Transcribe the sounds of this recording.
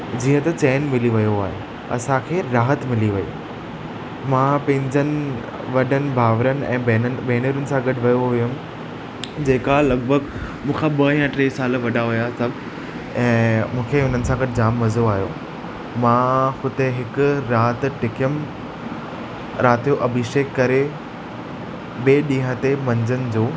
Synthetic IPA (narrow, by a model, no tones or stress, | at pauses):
d͡ʑiːə̃t̪ɐt͡ɕeːnmɪliʋɐjoaːɦḛ | ɐ̰sãkʰeːɾaːɦət̪mɪliʋɐḭ | mãːpɐ̃ɦɪ̃ɲd͡ʑənɪ̆ | ʋɐɗənɪ̆bʱaːʋɾənɪ̆ʔɛ̰̃ːeːnənɪbeːnəɾənɪ̆sãɡɐɖʋɐjoɦʊjʊm | d͡ʑeːkalɐɡbʱəɡmũːkʰaɓɐĩãʈɾeːisaːlʋɐɗaɦʊjasɐb | ɛ̃ːmũːkʰeʊn̤ənɪ̆sãɡɐʈd͡ʑaːmːɐzoaːɦjoː | mãxʊd̪eɦɪkʊɾaːt̪ʈɪkəm | ɾʔaːt̪ijoʔɐbʱɪʃeːkːɐɾe | beːɗĩːɦə̃t̪emɐ̃ɲd͡ʑənɪ̆d͡ʑoː